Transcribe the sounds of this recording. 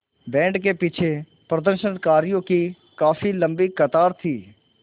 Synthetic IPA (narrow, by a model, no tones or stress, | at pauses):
bɛ̃ːɳɖkepɪt͡ʃʰe | pɾəd̪əɾʃənkaːɾijõki | kaːfilə̃mbikɐt̪aːɾt̪ʰiː